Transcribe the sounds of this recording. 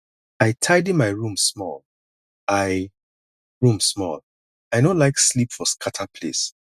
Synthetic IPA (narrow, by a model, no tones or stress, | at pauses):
aɪtʰaɪdimaɪɹũmsmɔ̰l | aɪ | ɹũmsmɔ̰l | aɪjnõlaɪkslipfɔskʰatʰapʰlḛs